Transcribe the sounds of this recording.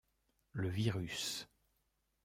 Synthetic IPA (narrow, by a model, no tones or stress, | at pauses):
ləviʁys